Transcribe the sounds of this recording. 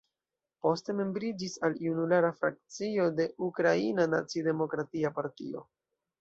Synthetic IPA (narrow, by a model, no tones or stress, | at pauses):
po̞ste̞me̞mbɾid͡ʒisaliunulaɾafɾa̰k̚t͡sio̞de̞ukɾainana̰t͡side̞mo̞kɾatiapaɾtḭo̞̰